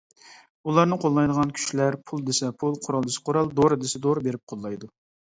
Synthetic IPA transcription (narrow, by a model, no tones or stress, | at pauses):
ulˠɑɾnɨqʰolˠːɑjd̪əʁɑnkʲʰy̥ʃlæɾpʰulˠd̪esɛpʰulˠqʰʊɾɑlˠd̪ɪsɪ̥qʰoɾɑlˠd̪oɾɨd̪ɪsɪd̪oɾbeɾɪp̚qʰolˠːɑjd̪u